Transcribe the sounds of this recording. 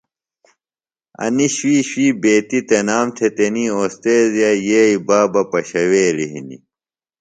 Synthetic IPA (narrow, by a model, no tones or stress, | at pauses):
ɐ̰niɕwiːɕiːbeːt̪it̪enaːmt̪ʰet̪enioːst̪eːzjajeːibaːbɐpɐɕɐweːliɦḭnḭ